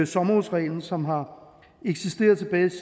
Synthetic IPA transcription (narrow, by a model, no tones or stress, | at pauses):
sɒ̽mɐusʁɛ̰ːln̩sɒ̽mɦɑ̈ | eɡ̥sisd̥e̝̰ːɐð̩ˠt͡sʰe̝b̥ɛːɪ